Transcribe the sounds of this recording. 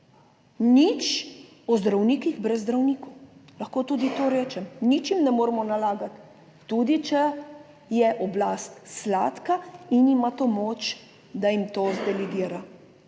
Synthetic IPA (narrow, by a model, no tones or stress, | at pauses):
nit͡ʃ | ɔzd̪ɾawniːkiɣbɾɛzːd̪ɾawnikɔlɐxkoːt̪uːd̪it̪oɾɛːt͡ʃɛmnit͡ʃjimnɛmoːɾmɔnalaːɡat̪ː | ud̪it͡ʃɛ | jɛʔɔblaːst̪slaːt̪kainimat̪omoːt͡ʃ | d̪ajimt̪oːzd̪ɛlɛɡiːɾa